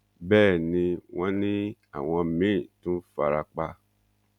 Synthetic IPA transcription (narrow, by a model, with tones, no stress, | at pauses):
bɛː˦˨nĩ˧w̃ɔ̃˦nĩ˦a̰˦˨w̃ɔ̃˧mĩ˨˦˨tũ˦fa˧ɾa˧k͡pa˧